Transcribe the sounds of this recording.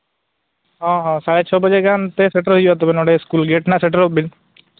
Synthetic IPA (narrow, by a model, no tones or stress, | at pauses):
ɦɔ̃ɦɔ̃saɽet͡ʃʰɔbəd͡ʒeɡant̪eseʈəɾɦid͡ʒat̪ɔbenɔɽeskulɡeʈnaseʈəɾɔbin